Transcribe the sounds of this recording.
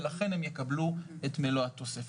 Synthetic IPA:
laχe̞nhemjekabluetmeloatosef

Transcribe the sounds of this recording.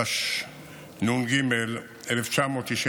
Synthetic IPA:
ʃ | nunɡimel | eleft͡ʃamot̪iʃe

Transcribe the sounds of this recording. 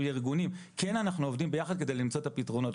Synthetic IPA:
jiʁɡunimke̞nanaχnuovdimbe̞jaχad̪̚ke̞de̞jlimt͡so̞etapitʁo̞no̞t

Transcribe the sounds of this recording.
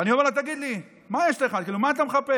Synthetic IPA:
aniovalat̪aɡid̪li | majeʃtaeχad̪̚kiːlumaːt̪ameχape

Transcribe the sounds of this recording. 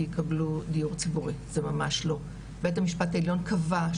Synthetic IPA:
jikɐbludijuʁt͡sibuʁizemamaʃlo̞ | betamiʃpataeljo̞nkʰava

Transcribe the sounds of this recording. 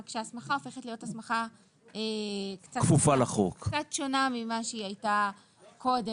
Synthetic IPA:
kʃeasmaχao̞fe̞χe̞tlijo̞tasmaχa | ekt͡sakfufalaχokt͡sat̪ʃo̞namimaʃeiajta | kʰo̞de

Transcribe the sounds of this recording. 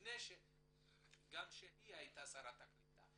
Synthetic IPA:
nɛʃe | ɡanʃeniajt̪asaɾat̪akit̪a̰

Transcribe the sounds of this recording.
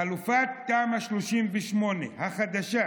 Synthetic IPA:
alufat̪̚ːaːmhaʃloʃimveʃmo̞nehaχad̪aʃa

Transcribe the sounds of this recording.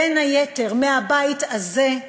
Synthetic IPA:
enhajete̞ʁmehabaitaze̞

